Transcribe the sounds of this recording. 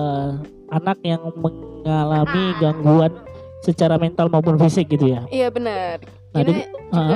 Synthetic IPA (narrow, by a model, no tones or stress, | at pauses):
anak̚jaŋməŋalamiɡaŋɡuansət͡ʃaɾament̪almaupʊnfisɪk̚ɡit̪ujajabənər | nadiə